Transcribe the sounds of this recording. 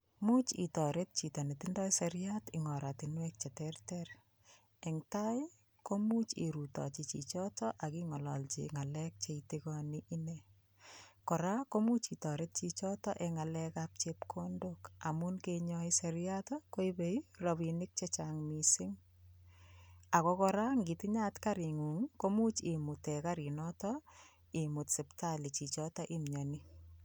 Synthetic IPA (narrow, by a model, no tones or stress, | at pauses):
mut͡ʃḭtɔɾet̚t͡ʃitanetindɔjsɛɾjatɪŋɔɾatɪnwɛk̚t͡ʃɛtɛrtɛɾ | ɛŋtaɪ | komut͡ʃḭɾutɔ̰t͡ʃɪt͡ʃit͡ʃɔtɔʔakiŋɔlɔlt͡ʃḭŋalɛk̚t͡ʃeitɪkɔniʔːne | kɔɾakomut͡ʃitɔɾet̚t͡ʃit͡ʃɔtɔʔɛŋalɛkap̚t͡ʃepkʰondokamunkeɲɔisɛɾjatɔkoibeiroβinɪk̚t͡ʃet͡ʃaŋmisɪŋ | akɔkɔɾaŋɡitɪɲatkaɾiŋuŋkomut͡ʃimutɛkaɾinɔtɔ | imutsɛptalit͡ʃit͡ʃɔtɔʔimɲɔni